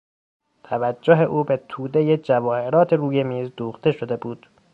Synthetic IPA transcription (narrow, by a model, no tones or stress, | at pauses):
t̪ʰævæd͡ʒːoɦe̞ʔuːbe̞t̪ʰuːd̪e̞jed͡ʒævɒːhe̞ɾɒːt̪ʰeɾuːje̞miːzd̪uːxt̪e̞ʃod̪e̞buːd̪̥